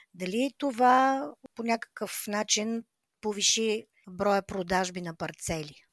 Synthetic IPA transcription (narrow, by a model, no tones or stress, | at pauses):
d̪ɐlit̪ovaponʲakə̥kəfnat͡ʃin | poviʃi | bɾɔjəpɾod̪aʒbinɐpɐɾt̪sɛlʲi